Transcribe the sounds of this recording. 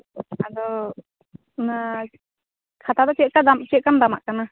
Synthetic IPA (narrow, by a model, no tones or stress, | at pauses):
ad̪ɔ | na | kʰat̪ad̪ɔt͡ʃɛʔkad̪amt͡ʃɛʔkand̪ama̰ʔkana